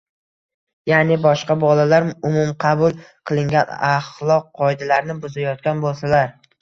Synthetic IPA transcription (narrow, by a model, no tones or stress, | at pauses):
janɪbɒʃqɑbɒlalaɾʊmʊmqʰɑbʊlˠqʰɨlˠɪŋɡʲanɑχlˠɒqʰːɒjd̪alaɾnɪbʊzajɒt̪̚kʲanbolˠsalaɾ